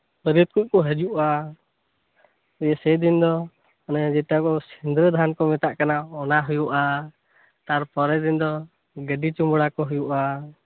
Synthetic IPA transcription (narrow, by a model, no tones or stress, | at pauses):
pəɾjut̪̚kuc̚kɔɦəd͡ʒuʔa | ɛjɛsɛd̪ind̪ɔ | ɔnɛd͡ʒɛʈakɔsind̪ɾəd̪ʱankɔmɛt̪aʔkanaɔnaɦujuʔa | t̪aɾpɔɾɛd̪ind̪ɔ | ɡəɖit͡ʃumbɔɽakɔɦujuʔa